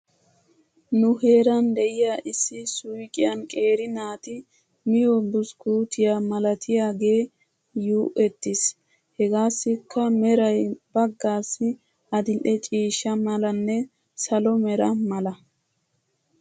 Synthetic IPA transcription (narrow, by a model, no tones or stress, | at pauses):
nʊhe̞ːɾɐnd̪ɛʔɪjaːʔɪsːɪsʊjkʼɪjɐnkʼe̞ːɾɪnaːt̪ɪ | mɪjɔbʊskuːt̪ɪjamɐlɐt̪ʰɪjaːɡe̞ː | juːʔɛt̪ːɪs | hɛɡaːsːɪkʰːɐmɛɾɐjbɐɡːaːsːɪ | ʔɐd̪ɪlɗɛt͡ʃʼiːʃːɐmɐlɐnːɛ | sɐlɔmɛɾɐmɐlɐ